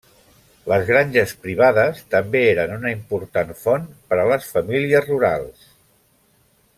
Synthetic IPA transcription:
ləzɣɾanʲʒəspɾiβ̞aðəst̪əmbeeɾənunəimpuɾt̪anfonpəɾələsfəmiliəzruɾa̰lˠs

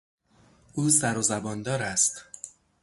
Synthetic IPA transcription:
ʔuːsæɾozæbɒːnd̪ɒːɾæst̪

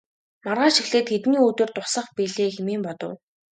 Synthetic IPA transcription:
marʁaːʃixɮeːt̪xet̪niːoːt̪oːrt̪ʊsə̆χpiːɮeːxemeːmpɔt̪ɞ̰̆w

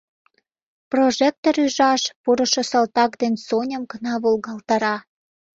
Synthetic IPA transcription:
proʒek̚t̪oɾyʒɑʃpuɾə̆ʃŏsɑlt̪ɑkd̪ensonʲəmkənɑβulɣɑlt̪ɑɾɑ

